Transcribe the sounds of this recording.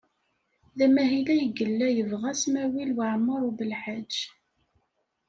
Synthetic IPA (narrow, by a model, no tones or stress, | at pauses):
ðæmæɦilæjəɡəlːæjəvʁæsmæwilwəʕmːəɾˤubəlħad͡ʒː